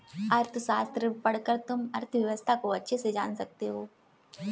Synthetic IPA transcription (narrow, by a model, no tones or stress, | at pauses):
ɐɾt̪ʰsaːst̪ɾəpɐɽkəɾt̪ʊmɐɾt̪ʰʋjɐʋəst̪ʰakoɐtːʃʰesed͡ʒaːnsɐk̚t̪eɦoː